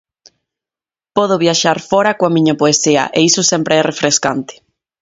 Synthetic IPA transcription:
pɔðʊβjaʃaɾfɔɾakoamĩɲapoesiɐ̰ʔeisʊsɛmpɾeɛrefɾeskant̪ɪ̥

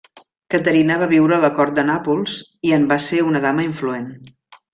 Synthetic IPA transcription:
kət̪əɾinəβ̞aβiwɾələkɔɾt̪̚d̪ənapulˠz̥iəmbaseunəðaməiɱfluen

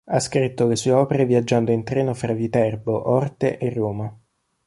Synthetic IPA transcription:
askɾit̪ːolesuːeɔːpeɾeviad͡ʒːand̪oint̪ɾɛːnofɾavit̪ɛrboʔɔrt̪eʔerːoːma

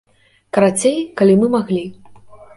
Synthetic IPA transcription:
kɐɾat͡sʲejkalʲimɨmaɣlʲi

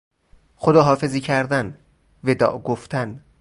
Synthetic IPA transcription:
xod̪ɒːɦɒːfe̞ziːcʰæɾd̪æn | ved̪ɒ̰ːʔɡoft̪ʰæn

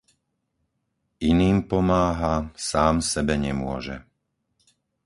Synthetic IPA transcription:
iniːmpɔmaːɦasaːmsɛbɛɲɛmʊɔʒɛ

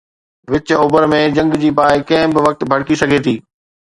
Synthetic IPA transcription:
ʋɪt͡ɕʊbəɾmẽd͡ʑɐ̃ŋɡd͡ʑiːpaːɪkɐ̃ɦɪ̃bɪʋɐk̚t̪bʱɐɽkisɐɡʱet̪ʰiː

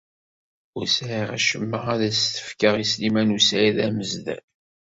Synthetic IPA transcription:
ʊɾsæiʁæʃəmːəʁæðæst̪ə̥fkəʁislimænusæjiðæməzðæ̰l

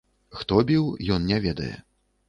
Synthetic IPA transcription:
xt̪ɔbʲiwjɔnnʲɛvʲɛd̪ɐ̰jɛ̰

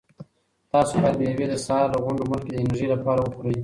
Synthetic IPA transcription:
t̪ɑsobajad̪əjawed̪əsɑɾləɣʊɳɖomʊlkeɪnʒilapɑɾawəpuɾəj

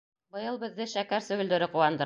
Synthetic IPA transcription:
bɤ̆jɤlˠbɘ̆ðːɘʃækæɾsɵ̆ɡɘ̆ld̪ɵ̆ɾɘquwɑnd̪ɤ̆

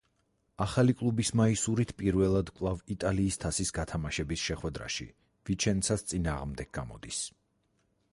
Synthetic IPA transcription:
aχalikʼlˠubismaisuɾit̪ʰpʼiɾvɛlˠad̪kʼlˠavit̪ʼaliːst̪ʰasisɡat̪ʰamaʃɛbisʃɛχwɛd̪ɾa̰ʃḭ | vit͡ʃʰɛnt̪sʰast̪sʼinaːʁmd̪ɛɡ̥̚ɡa̰mɔ̰d̪is

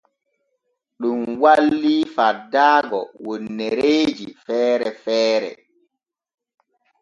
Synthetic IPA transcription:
ɗumwallːiːfadaːɡɔ̰wonːeɾeːd͡ʒifɛːɾɛfɛːɾɛ̰

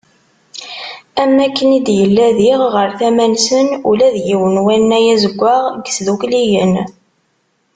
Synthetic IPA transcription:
æmːækːənid̪jəlːæðiʁʁəɾθæmænsənulæðjiwənwænːæjæzəɡʷːaʁɡəsðuklijən

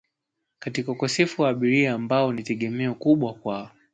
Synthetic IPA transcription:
katikaukɔsɛfuwaːɓiɾiaːmbaɔnitɛɠɛmɛɔkuɓwakwaɔ

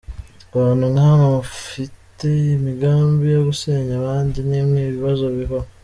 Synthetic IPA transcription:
oβaːnuŋaβaβafitemiɡaːmbijoɡuseːɲaβaːɲɟinimwiːβiβazo̞βiho

